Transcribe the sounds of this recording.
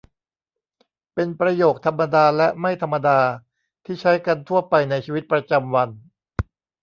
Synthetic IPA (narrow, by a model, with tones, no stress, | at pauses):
pe˧npɾa˧joː˨˩k̚t̪ʰa˧mːa˧daː˧lɛ˦˥ma˥˩jt̪ʰa˧mːa˧daː˧ | t̪ʰiː˥˩t͡ɕʰa˦˥jka˧nt̪ʰu˥˩ɐpa˧jna˧jt͡ɕʰiː˧wi˦˥t̪̚pɾa˧t͡ɕa˧mwa˧n